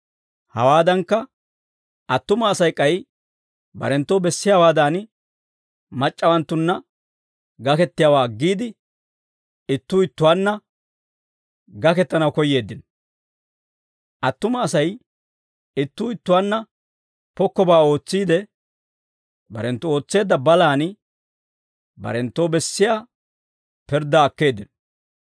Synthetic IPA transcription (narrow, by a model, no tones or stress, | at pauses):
hɐ̰waːd̪ɐŋkːɐ | ɐt̪ːʊmɐːsɐjkʼɐj | bɐ̰ɾɛnt̪ːɔbɛsːɪjaːwaːd̪aːn | mɐt͡ʃʼːɐwɐnt̪ːʊnːɐ | ɡɐkɛt̪ːɪjaːwaːɡːiːd̪ɪ | ɪt̪ːʊɪt̪ːʊwaːnːɐ | ɡɐkɛt̪ːɐnɐwkɔjːe̞ːd̪ːɪn | ʔɐt̪ːʊmɐːsɐj | ɪt̪ːʊɪt̪ːʊwaːnːɐ | pɔkːɔbaːo̞ːt͡sːiːd̪ɛ | bɐ̰ɾɛnt̪ːʊo̞ːt͡sːe̞ːd̪ːɐbɐlaːnɪ | bɐ̰ɾɛnt̪ːoːbɛsːɪjaː | pɛɾd̪ːɐːkːe̞ːd̪ːɪnɔ